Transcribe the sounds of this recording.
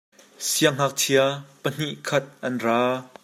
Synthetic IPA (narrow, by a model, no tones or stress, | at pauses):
siaŋ̥ak̚tʰiapən̥iʔkʰɐt̪̚ʔɐnraː